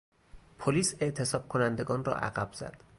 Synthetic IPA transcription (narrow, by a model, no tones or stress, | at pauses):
pʰoliːse̞ʔt̪ʰe̞sɒːb̚kʰonænd̪e̞ɡɒːnrɒ̰ːʔæ̰ɣæb̥z̥æ̰d̪̥